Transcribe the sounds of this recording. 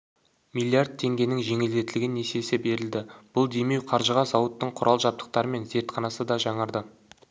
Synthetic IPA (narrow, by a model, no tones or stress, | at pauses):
mijlʲiard̪̚t̪ʰːe̞ŋɡʲe̞nɪŋʒe̞ŋeld̪e̞t̪ɪlɪɡʲɪnːese̞sɪbe̞ɾɪld̪ɪb̥ʊlˠd̪e̞me̞wqʰɑɾʒəʁɑzɑwət̪ːəɴqʰʊɾɑlˠʒɑp̚t̪ə̥q̚t̪ɑɾəme̞nze̞ɾt̪χɑnɑsəd̪ɑʒɑɴəɾd̪ə